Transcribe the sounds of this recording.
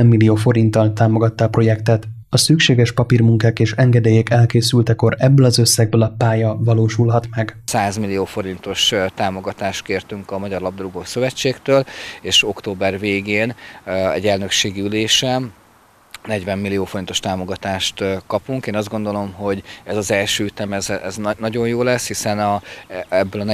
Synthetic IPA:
ɛmːilːioːfo̞ɾint̪ɒlt̪aːmo̞ɡɒt̪ːɒːpro̞jɛkt̪ɛt̪ | ɒsykʃeːɡɛʃpɒpirmuŋkaːkeːʃɛŋɡɛd̪eːjekɛlkeːsylt̪ɛko̞ɾɛbːøːlɒzøsːɛɡ̚bøːlɒpaːjɒvɒloːʃulɦɒt̪mɛɡsaːzmilːijoːfo̞ɾint̪o̞ʃt̪aːmo̞ɡɒt̪aːʃt̪̚keːrt̪yŋkɒmɒɟɒrlɒb̚d̪ɾuɡoːsøvɛt͡ʃːeːkt̪øːleːʃo̞kt̪oːbɛrveːɡeːnɛ̰ɟːɛlnø̞kʃeːɡiyleːʃɛn | nɛɟvɛmːilːijoːfoɾint̪o̞ʃt̪aːmo̞ɡɒt̪aːʃt̪kɒpuŋkeːnɒzd̪ɡo̞nd̪o̞lo̞mɦo̞ɟɛzɒzɛlʃøːyt̪ɛmɛzɛznnɒɟo̞jjoːlɛshisɛnɒɛbːøːlɒnɛ

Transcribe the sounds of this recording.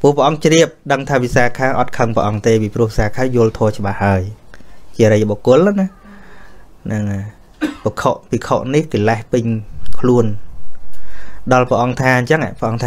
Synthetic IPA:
ppuəhpəʔɑŋt͡ɕriəp̚ɗəŋt̪ʰaːʋisaːkʰaːʔɑt̪̚kʰəŋpə̰̆ʔɑŋt̪eːpipruəhsaːkʰaːjʊ̆əlt̪ʰɔːt͡ɕə̆ɓahːaəjt͡ɕiəɾəjɓokʊəlanah | nɨŋa | pəkʰoʔpikʰoʔniht̪ilahpɨɲkʰluən | ɗɑlpəʔɑŋt̪ʰaːɲt͡ɕəŋa̰pʰə̆ʔɑŋt̪ʰaː

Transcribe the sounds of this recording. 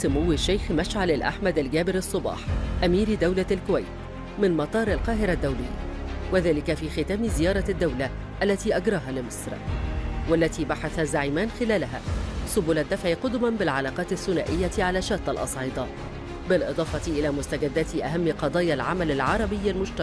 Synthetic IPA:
sʊmʊwːɪʃːajxmaʃʕalalʔa̰ħmad̪alɡæːbɪɾɑsˤːʊbɑ̰ːħʔamiːɾd̪awlalkʊwajt̪ | mɪnmɑt̪ˤɑːɾˤalqɑːɦɪɾad̪ːawlɪ̰jːa̰waðæːlɪkafiːxɪt̪æːmzɪjɑːɾˤɑd̪ːawla | ʔalːæt̪iːʔaɡɾˤɑːɦaːlɪmɨsˤɾ | walːat̪iːbaħaθazaʕiːmaːnxɪlæːlaɦaːsʊbuːlad̪ːafʕiqʊd̪ʊmabɪlʕɑlɑːqɑːt̪ɪθːʊnaːʔɪjːat̪ʕalæːʃaːt̪ˤːɑlʔɑ̰sˤʕiːd̪ˤɑ | bɪlʔɨd̪ˤɑːfɑt̪iʔɪlæːmʊst̪aɡad̪ːæːt̪ɪʔaɦamːqɑd̪ˤɑːjalʕa̰malalʕɑɾˤɑbɪjːalmʊʃt̪aɾ

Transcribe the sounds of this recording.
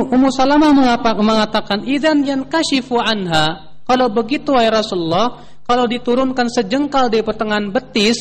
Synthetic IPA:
umusalamaməŋapaməŋat̪akanʔiðanjankaʃifuʕanɦa | kalawbəɡit̪uairɑsuləlːɑh | kalawdit̪uɾʊnkansəd͡ʒəŋkaldaipət̪əŋanbət̪ɪs

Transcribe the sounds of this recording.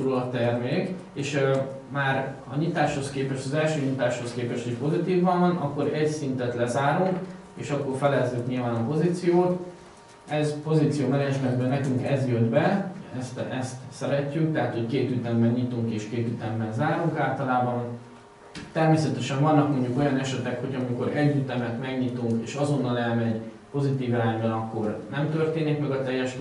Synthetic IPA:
oɾolɒt̪ːɛrmeːk | eːʃ | maːɾ | ɒɲit̪aːʃho̞skeːpɛʃt̪ɒzɛlʃøːɲit̪aːʃho̞skeːpɛʃt̪iʃpo̞zit̪iːvːɒnvɒnɒkːo̞ɾɛɟsint̪ɛt̪lɛzaːɾuŋk | eːʃɒkːo̞rfɛlɛzːykɲilvaːnɒpo̞zit̪sijoːt̪ | ɛzpo̞zit̪sijoːmɛɾɛʒmɛnbɛnɛkyŋkɛzjød̪bɛɛst̪ɛst̪sɛɾɛcːyk̚t̪ɛɦat̪ho̞ckeːt̪yt̪ɛmːɛnɲit̪uŋkeːʃkeːt̪yt̪ɛmːɛnzaːɾuŋkaːlt̪ɒlaːbɒn | t̪ɛrmeːsɛt̪ɛʃɛɱvɒnːɒkmo̞ɲɟuko̞jɒnɛʃɛt̪ɛkho̞ɟɒmiko̞ɾɛɟːyt̪ɛmɛt̪mɛɡɲit̪uŋkḛːʃɒzo̞nːɒlɛlmɛɟ | po̞zit̪iːvɛɾaːɲbɛnɒkːo̞rnɛmt̪ø̞rt̪eːnikmɛɡɒt̪ɛjːɛʃ

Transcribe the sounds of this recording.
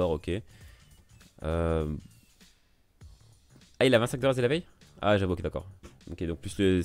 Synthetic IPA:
ɔʁokʲe | ø | ailavɛ̃t̪sɛ̃kd̪əʁɛselavɛja̰ʒavuokʲed̪akɔ̰ːʁo̰kʲed̪ɔ̃k̚plyslə

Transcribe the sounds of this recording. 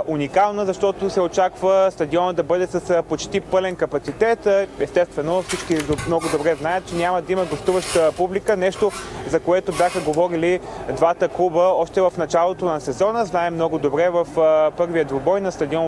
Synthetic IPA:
unikalˠnəzɐʃt̪ɔt̪osɛot͡ʃakvəst̪ɐd̪iɔnəd̪ɐbɤd̪ɛsəspot͡ʃt̪ipɤlɛnkɐpɐt̪sit̪ɛt̪ɛst̪ɛst̪vɛnofsit͡ʃkimnɔɡʊd̪obɾɛznajət̪̚t͡ʃɛnʲamɐd̪ɐimɐɡost̪uvəʃt̪əpublikənɛʃt̪ozɐkoɛt̪obʲjaxəɡovɔɾilid̪vat̪əklˠubəɔʃt̪ɛvɐfnɐt͡ʃalˠot̪onɐsɛzɔnəznaɛmnɔɡʊd̪obɾɛvɐfpɤɾviəd̪vobɔjnɐst̪ɐd̪iɔn

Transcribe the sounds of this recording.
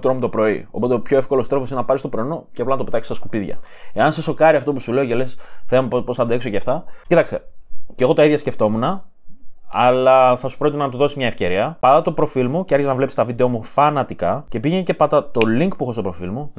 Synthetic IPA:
t̪ɾomut̪o̞pɾo̞io̞po̞t̪eopçoefko̞lost̪ɾo̞posinenɐpɐɾist̪opɾonoceɐplɐnɐt̪opet̪ɐkst̪ɐskupiðʝɐ̰ | e̞ɐnse̞so̞kɐɾiɐft̪o̞pusule̞ocelesθempopo̞sθɐd̪eksoceɐft̪ɐcit̪ɐkst̪e̞ce̞ɣo̞t̪ɐiðʝɐsce̞ft̪o̞munɐ | ɐlɐθɐsu̥pɾoit̪nɐt̪uðo̞sizmɲɐefce̞ɾiɐpɐd̪ɐt̪opɾo̞filmuceɐɾçiznɐvlesi̥st̪ɐvid̪eo̞mufɐnɐt̪ikɐce̞piʝenece̞pɐd̪ɐt̪o̞liŋkpuxost̪opɾo̞filmu

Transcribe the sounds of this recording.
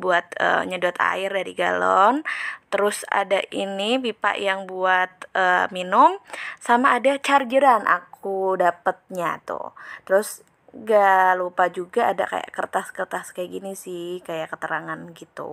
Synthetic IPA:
buat̪ə̰ɲəduat̪a̰ɪrdaɾiɡalɔnt̪əɾʊsa̰daʔinipipa̰ʔjaŋbuat̪̚əminʊmsamaːdat͡ʃard͡ʒəɾanʔa̰kʰudapət̪̚ɲa̰t̪ṵt̪əɾʊs | ɡalupad͡ʒuɡaːda̰ka̰ja̰kərt̪askərt̪askajaɡinisɪhkajakət̪əɾaŋanɡit̪ṵ

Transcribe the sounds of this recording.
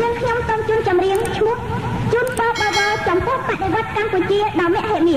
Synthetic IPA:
nɨŋkʰɲomsoːŋt͡ɕuənt͡ɕɑmriəŋt͡ɕʰmʊ̆əht͡ɕuənpɑːɓɑːʋɑːt͡ɕɑmpʊ̆əhpaʔɗeʋŏət̪̚kamput͡ɕiəɗɑɔnɛ̆əʔɦɛ̆əʔniə

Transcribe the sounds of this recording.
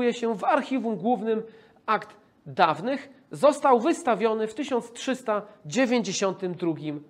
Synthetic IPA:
jɛɕɛvaɾxʲivumɡwuvnɘm | akd̪ | d̪avnɘx | zɔst̪awvɘst̪avʲjɔnɘft̪ɘɕɔnt̪stʂɘst̪ad͡ʑevʲjeɲd͡ʑeɕɔnt̪ɘmd̪ɾuɡʲim

